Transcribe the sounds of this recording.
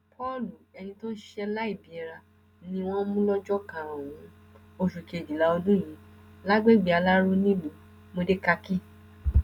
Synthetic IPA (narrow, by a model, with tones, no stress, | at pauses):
pʰɔ˦˨lu˨ɛ˧nĩ˧tõ˦n̩˦ʃɛ˧la˦i˦˨bi˨˦ɛ˧ɾa˧ | nĩ˧w̃ɔ̃˦mũ˦lɔ˦d͡ʒɔ˦kã˨ã˨wũ˧˦ | o˧ʃu˨ke˨d͡ʒi˨la˨˦o˧dũ˦˨j̃ĩ˨˧˦ | la˦ɡ͡be˦˨ɡ͡bi˨˧a˧la˦ɾo˦nĩ˦mũ˨˦ | mo˧de˦ka˧ki˦˨